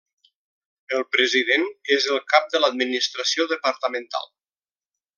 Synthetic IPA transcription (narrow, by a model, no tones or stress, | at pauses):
əlˠpɾəziðenezəlˠkap̚d̪ələd̪̚minist̪ɾəsioðəpəɾt̪əmənt̪a̰lˠ